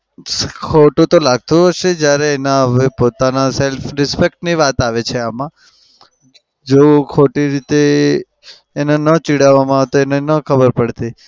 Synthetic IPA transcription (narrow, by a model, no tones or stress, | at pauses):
skʰoʈõt̪olaɡ̚t̪õɦəʃed͡ʒjaɾeːnaɦəʋepot̪anaselfɾɪspek̚ʈniʋat̪aʋet͡ʃʰeamã | d͡ʒokʰoʈiɾit̪e | nanət͡ʃiɽaʋamãaʋet̪oenenəkʰəbəɾpəɽt̪i